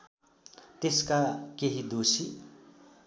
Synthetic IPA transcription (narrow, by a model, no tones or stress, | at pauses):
t̪eskakeɦid̪osi